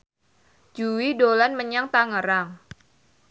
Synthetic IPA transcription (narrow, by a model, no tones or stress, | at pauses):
d͡ʒuwidolanməɲaŋt̪aŋəɾaŋ